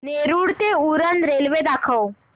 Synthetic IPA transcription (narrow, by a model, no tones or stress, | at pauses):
neɾuːɽt̪euɾənɾelʋed̪akʰəw